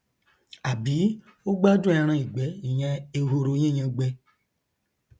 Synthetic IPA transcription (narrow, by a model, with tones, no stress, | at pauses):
a˨bi˨˦ | o˦ɡ͡ba˦dã˧ɾ̃ã˧i˨ɡ͡bɛ˨˦i˨ɲã˧e˨ɦo˧ɾo˨˧˦ɲẽ˦˨ɲã˧ɡ͡bɛ˧